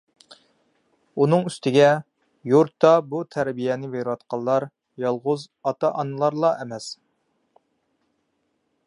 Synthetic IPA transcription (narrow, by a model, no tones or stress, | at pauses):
unɨŋyst̪ʰɪɡʲɛ | juɾt̪ːɑbut̪ʰæɾbijɛnɪveɾwɑt̪qʰɑlˠːɑɾ | jɑlˠʁʊzɑt̪ɑʔɑnɨlˠɑɾlˠɑɛmɛs